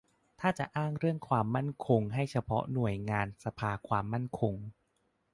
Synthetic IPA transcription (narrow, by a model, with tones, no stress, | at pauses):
t̪ʰaː˥˩t͡ɕa˨˩ʔaː˥˩ŋɾɯ˥˩əŋkʰwaː˧mːa˥˩nkʰo˧ŋɦa˥˩jt͡ɕʰa˧pʰɔ̰˦˥nu˨˩əjŋaː˧nsa˧pʰaː˧kʰwaː˧mːa˥˩nkʰo˧ŋ